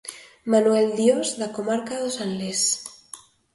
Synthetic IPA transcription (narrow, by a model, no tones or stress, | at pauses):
manueld̪jozðakomaɾkaðosanles